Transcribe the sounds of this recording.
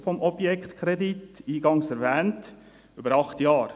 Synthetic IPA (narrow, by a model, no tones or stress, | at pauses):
fɔmʔɔb̥jɛkχt̪kʰɾɛditiːɡɑŋsɛɾvæːnt | ybəɾɑχt̪jɑːɾ